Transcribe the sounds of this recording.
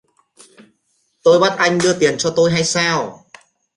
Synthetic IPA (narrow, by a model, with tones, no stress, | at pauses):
t̪o˧jɓa˦˥t̚ʔa˧jŋ̟ɗɨ˧ət̪i˨˩ənt͡ɕɔ˧t̪o˧jɦa˧jsaː˧w